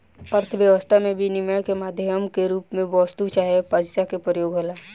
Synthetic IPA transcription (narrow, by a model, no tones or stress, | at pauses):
əɾt̪ʰəʋjəʋəst̪ʰamẽbʱinɪməkemaːd̪ʱjəmkeɾuːpmẽbɔːst̪ut͡ʃaːɦepad͡ʒsakepɾəjoːɡɐlaː